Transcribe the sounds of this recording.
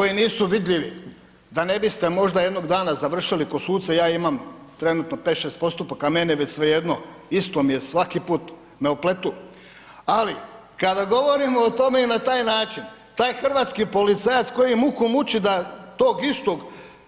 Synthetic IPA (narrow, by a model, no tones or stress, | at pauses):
ko̞jiniːsuʋid̪ʎʲiʋi | d̪ane̞bist̪e̞mo̞ʒd̪aje̞d̪no̞ɡd̪aːnazaʋr̩ʃiliko̞suːt̪sejaːimam | t̪ɾe̞nut̪no̞pe̞ːt̪ʃest̪̚po̞st̪upakameneʋet͡ɕsʋe̞jed̪no̞ | ist̪omijesʋakipuːt̪ | meoplet̪u | ali | kad̪aɡo̞ʋo̞ɾimo̞ːt̪o̞me̞inat̪aːjnaːt͡ʃin | t̪aːjxr̩ʋaːt̪skipo̞lit̪sajat̪sko̞jimukumut͡ʃid̪at̪oːɡist̪oɡ